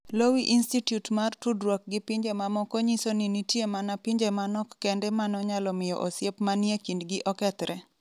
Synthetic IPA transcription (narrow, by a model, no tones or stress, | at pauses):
lowiʔinstitjutmartudɾwɔk̚ɡɪpiɲd͡ʒemamɔkoɲisoninitjemanapiɲd͡ʒemanɔkːɛndɛmanɔɲalɔmɪjɔ̰ʔosjepmanjekindɡɪʔɔkɛt̪ɾʔɛ